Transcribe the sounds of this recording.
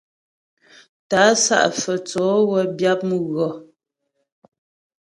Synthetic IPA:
ta˨˦sa̰˦ʔfə˨t͡sɔ˨˦wə˦bja˦p̚mə˨ɣɔ˨

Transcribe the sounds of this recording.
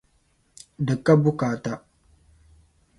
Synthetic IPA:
dɨ˨kːa˦bʊ˦kaː˨ta˦

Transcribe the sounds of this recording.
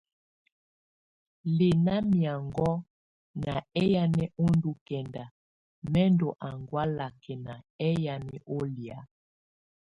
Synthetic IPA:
le˨na˦mi˨a˨ŋɡɔ˦ | na˨ɛ˦ja˦nɛ˦o˦ndu˦kɛ˨nda˨ | mɛ˦ndɔ˨ʔa˨ŋɡwa˦la˨kʰɛ˨na˨ɛ˦ja˨nɛ˦ʔo˦lja˨˦

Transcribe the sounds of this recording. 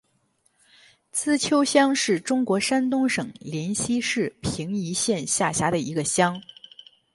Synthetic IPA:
t͡sʰɹ̩˥˩t͡ɕʰjo˥ʊɕjɑ˥ŋʂɻ̩˥˩ʈ͡ʂʊ˥ŋkwɔ˧˥ʂa˥nt̪ʊ˥ŋʂɤ˨˩ŋljɛ˧˥nɕi˥ʂɻ̩˥˩pʰi˧˥ŋi˧˥ɕjɛ˥˧nɕja˥˩ɕja˧˥ɾə˨i˧˥ɡə˧ɕjɑ˥ŋ

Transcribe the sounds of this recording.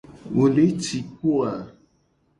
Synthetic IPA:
wo˨le˨˦t͡ʃi˨ko˦a˨

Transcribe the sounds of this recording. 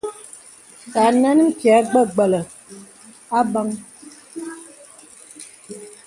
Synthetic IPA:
ta˨nɛ˦n˦m̩˦kja˨˦ɡ͡bə˦˨ɡ͡bə˨lə˨ | a˦ba˦ŋ

